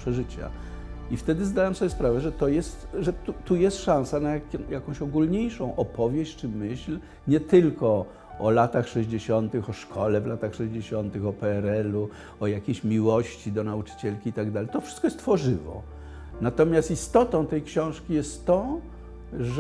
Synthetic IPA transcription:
pʂɛʐɘt͡ɕa̰ift̪ɛd̪ɘzd̪awamsɔbʲɛspɾavɛʐɛt̪ɔjɛst̪ʐɛt̪ut̪ujɛst̪ʂãw̃sanajakʲɔ̃jakɔ̃w̃ɕɔɡulɲejʂɔ̃w̃ʔɔpɔvʲjeɕt͡ɕt͡ʂɘmɘɕl | ɲɛt̪ɘlkɔ | ɔlat̪axʂɛʑd͡ʑeɕɔnt̪ɘxɔʂkʰɔlɛvlat̪axʂɛʑd͡ʑeɕɔnt̪ɘxɔpɛɛɾɛlu | ɔjakʲeɕmʲiwɔɕt͡ɕid̪ɔnaut͡ʂɘ̥t͡ɕɛlkʲiːt̪aɡd̪alɛjt̪ɔfʂɨskɔjɛst̪fɔʐɘvɔ̰ | nat̪ɔmʲjast̪ist̪ɔt̪ɔ̃w̃t̪ɛjkɕɔ̃w̃ʂkʲijɛst̪ːɔ̃ | ʐ

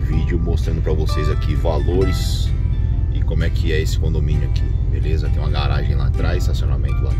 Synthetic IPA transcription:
vid͡ʒʊmost̪ɾɐ̃nd̪ʊpɾɐvosejzakivaloɾɪs | ɪkõmʊɛkʰɪɛesɪ̥kõnd̪omĩnʊakibelezɐt̪ẽj̃ũɐɡaɾaʒẽj̃lat̪ɾajzɪsasiõnamẽnt̪ʊla̰

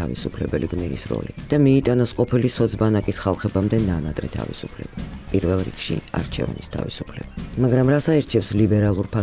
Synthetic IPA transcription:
avḭsupʰlɛbɛliɡnilḭsɾɔ̰lḭd̪̥amiːt̪ʼanɔsqʼɔpʰilisɔd̪sbanakʼisχalˠχɛbamd̪ɛnanat̪ʼɾɛ̰t̪ʰa̰vḭsupʰlɛb̥apʼiɾvɛlˠɾḭkʼʃḭa̰ɾt͡ʃʰɛ̰va̰nist̪ʰa̰visupʰlɛbamaɡɾamɾasaiɾt͡ʃʰɛpslibɛɾalˠuɾpʰa

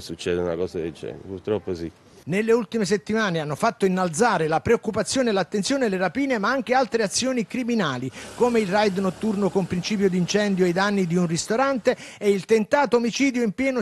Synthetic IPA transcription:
sut͡ʃːɛːd̪euna̰kɔːsaked͡ʒɛ̰n̰purt̪ɾɔpːosḭ | nelːeult̪imes̬et̪ːimaːneanːofat̪ːoinːalt̪zaːɾelapɾeokːupat̪sːjoːnelat̪ːensjoːneleɾapiːnemaaŋk̟ealt̪ɾeat̪sːjoːnikɾiminaːlikoːmeilrajd̪not̪ːurnokompɾint͡ʃiːp̬jod̪int͡ʃɛnd̪joajd̪anːid̪iunrist̪oɾant̪e | eilt̪ent̪aːt̪oːmit͡ʃiːd̪joimpjɛːno

